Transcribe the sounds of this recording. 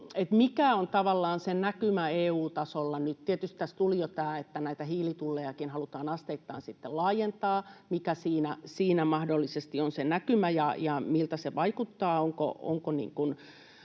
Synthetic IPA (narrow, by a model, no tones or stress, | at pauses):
et̪mikæont̪ɑʋɑlːɑːnsenækymæeːuːt̪ɑsolːɑnyt̪t̪iet̪yst̪t̪æst̪ulijot̪æːet̪ːænæit̪æhiːlit̪ulːejɑkinhɑlut̪ɑːnɑst̪eit̪ːɑːnsit̪ːellɑːjent̪ɑːmikæsiːnæsiːnæmɑhdolːisest̪ionsenækymæjɑjɑmilt̪æseʋɑikut̪ːɑːoŋko̰o̰ŋkonḭːŋkun